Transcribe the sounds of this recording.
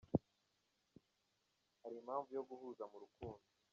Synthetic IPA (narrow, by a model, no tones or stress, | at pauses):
haɾiːm̤haːɱvujo̞ɡuhuːzamuɾukuːndo